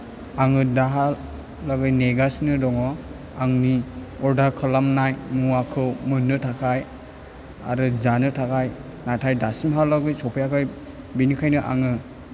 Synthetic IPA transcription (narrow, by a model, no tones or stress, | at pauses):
aŋɯdaɦa | laɡɯjneɡasinɯdɔŋɔ | aŋni | ɔɾdakʰɯlamnajmuakʰɯwmɯnːɯtʰakʰaj | a̰ɾɯzanɯtʰakʰaj | natʰajdasimɦalaɡɯjsɔpʰajakʰɯj | binikʰajnɯʔa̰ŋɯ